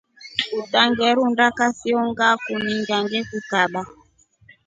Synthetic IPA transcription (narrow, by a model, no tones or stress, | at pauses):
utaŋɡɛɾundakasiɔŋɡakumiŋɡaŋɡɛkukaɓa